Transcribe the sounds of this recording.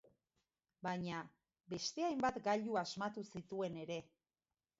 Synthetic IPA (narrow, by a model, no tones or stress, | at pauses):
baɲa | be̞st̪e̞ajmbat̪ɡaʎuazmat̪usit̪ue̞ne̞ɾe̞